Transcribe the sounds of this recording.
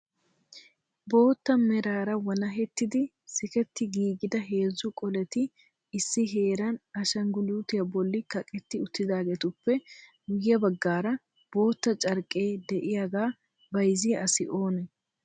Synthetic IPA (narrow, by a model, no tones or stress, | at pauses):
bo̞ːt̪ːɐmɛɾaːɾɐwɐnɐɦɛt̪ːɪd̪ɪ | sɪkɛt̪ːɪɡiːɡɪd̪ɐɦe̞ːzːʊkʼɔlɛt̪ɪː | sːɪɦe̞ːɾɐnɐʃɐŋɡʊluːt̪ɪjɐbɔlːɪkɐkʼɛt̪ːɪʊt̪ːɪd̪aːɡeːt̪ʊpːɛ | ɡʊjːɐbɐɡːaːɾɐ | b̥o̞ːt̪ːɐt͡ʃʼɐɾkʼe̞ːd̪ɛʔɪjaɡaː | bɐjzɪjɐsɪʔo̞ːnɛ